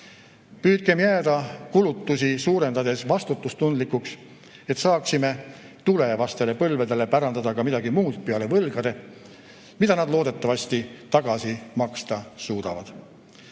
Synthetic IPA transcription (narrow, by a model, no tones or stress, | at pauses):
pyːt̪̚ɡ̥e̞mjæːd̪̥ɑkulut̪ːusʲisuːɾe̞nd̪̥ɑd̪e̞svɑst̪ut̪ːˑust̪und̪likːˑuks | e̞t̪sɑːksime̞ | t̪ule̞vɑst̪e̞le̞pɤlve̞d̪e̞le̞pæɾɑnd̪̥ɑd̪̥ɑkɑmid̪ɑɡimuːd̪peɑle̞vɤlɡ̥ɑd̪e̞ | mid̪ɑnɑd̪lo̞ːd̪e̞t̪ˑːɑvɑsʲt̪it̪ɑɡ̥ɑsimɑkst̪ɑsuːd̪ɑvɑd̪̥